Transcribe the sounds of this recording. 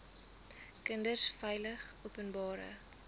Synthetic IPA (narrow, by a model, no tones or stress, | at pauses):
kəndərsfɛjləχuːpənbɑːɾə̰